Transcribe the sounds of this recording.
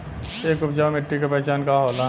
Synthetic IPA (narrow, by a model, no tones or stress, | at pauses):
eːkʊpʰd͡ʒaːmɪʈːikapɛɦt͡ʃaːnkaɦola